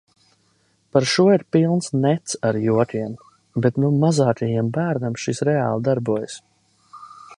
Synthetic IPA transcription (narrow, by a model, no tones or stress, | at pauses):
paɾʃuɔiɾpilˠnsnɛt̪saɾjuɔt̪ʲiɛm | bɛt̪numazaːkajimbæːɾnamʃisɾɛa̰ːlˠd̪aɾbuɔjs